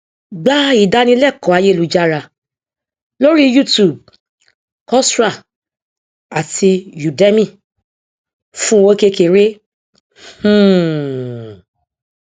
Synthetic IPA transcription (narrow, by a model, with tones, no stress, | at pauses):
ɡ͡ba˦i˦˨da˧nĩ˧˦lɛ˦˨kɔ̃˨˦a˧je˦˨lu˨˧d͡ʒa˦ɾa˧˨ | lo˦ɾi˦ju˦˨tu˨b̚ | kɔ˦sɾa˦˨ | a˨tʰi˧ju˨dɛ˦mĩ˦˨ | fũ˦wo˦ke˧ke˧˨ɾe˦ | h̩˦˨